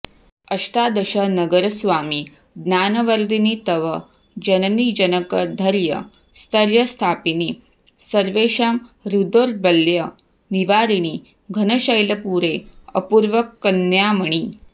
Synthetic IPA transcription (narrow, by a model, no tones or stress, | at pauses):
əɕʈad̪əɕənəɡəɾəsʋaːmi | d̪njaːnəʋəɾd̪init̪əʋə | d͡ʑənənid͡ʒənəkəd̪ʱəɾjə̰ | st̪ʰəɾjəst̪ʰaːpiniː | səɾʋeɕamɾud̪oɾbəlːjə | niʋaɾini | ɡʱənəɕəjləpuːɾeə̰puːɾʋəkːənːjaməɳ̃iː